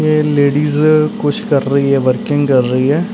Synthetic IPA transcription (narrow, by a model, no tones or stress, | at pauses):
jeːleːɖiːzkʊt͡ʃʰkəɾːəɦiɦɛːʋəɾkɪ̃ŋɡkəɾːəɦiɦɛː